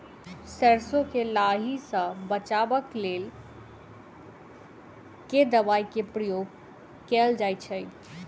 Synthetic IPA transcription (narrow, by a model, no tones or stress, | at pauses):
sɛɾsõkelaɦisə̃bət͡ʃabəkleːl | ked̪əbaikepɾəjoɡ | kɛld͡ʒajt͡ʃʰə